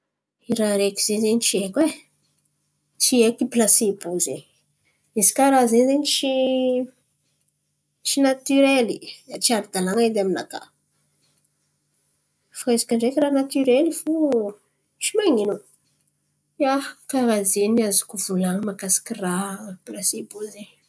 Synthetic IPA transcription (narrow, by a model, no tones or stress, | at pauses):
iɾaɾeki̥z̥ezeɲit͡ʃiekwe | t͡ʃiekiplasebuzeɲ | izi̥kaɾazenzeɲit͡ʃi | t͡ʃinat̪yɾeliat͡ʃiaɾid̪alaŋad̪amina̰ka̰ | faezḁkaɳɖ͡ʐekiranat̪yɾelifu | t͡ʃimaŋinu | akaɾad͡zeniazi̥kuvulaŋəmakasi̥kʲiraplasebuzeɲ